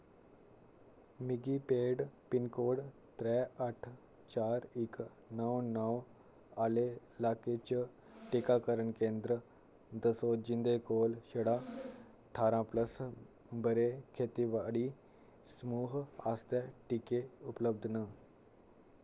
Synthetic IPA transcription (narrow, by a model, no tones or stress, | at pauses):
miɡipeɽpinkoɽt̪ɾɛəʈʰ | t͡ɕaɾik | nəwnəw | ale | laket͡ɕə | ʈikakəɾəɳkend̪ɾə | d̪əsod͡ʑind̪ekolɕəɽa | ʈʰaɾãpləs | bəɾekʰet̪iʋaɽi | smuɦast̪ɛʈikeupləb̚d̪ʱnə